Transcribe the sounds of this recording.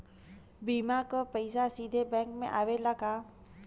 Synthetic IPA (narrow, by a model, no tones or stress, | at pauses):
biːmakəpəɪsasid̪ʱebɛ̃ːkmḛ̃ʔaːʋelakaː